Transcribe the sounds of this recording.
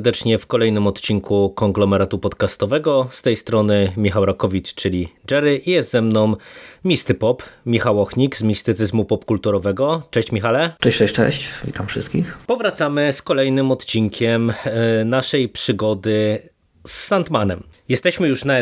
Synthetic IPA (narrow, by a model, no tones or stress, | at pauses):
d̪ɛt͡ʂɲɛfkɔlɛjnɘmɔt̪t͡ɕiŋkʰukɔŋɡlɔmɛɾat̪upɔt̪kast̪ɔvɛɡɔst̪ɛjst̪ɾɔnɘmʲixawɾakɔvʲit͡ʂt͡ʂɘlʲid͡ʐɛɾɘʔijɛst̪zɛmnɔw̃mʲist̪ɘpɔpmʲixawɔxɲikzmʲist̪ɘt̪sɘzmupɔpkult̪uɾɔvɛɡɔt͡ʂɛɕt͡ɕmʲixalɛt͡ʂɛɕʂɛɕt͡ʂɛ̰ɕt͡ɕvʲḭt̪amfʂɘ̰st̪kʲixpɔvɾat̪samɘskɔlɛjnɘmɔt̪t͡ɕiŋkʲʰɛmnaʂɛjpʂɘɡɔd̪ɘ | sːant̪manɛmjɛst̪ɛɕmɘjuʂna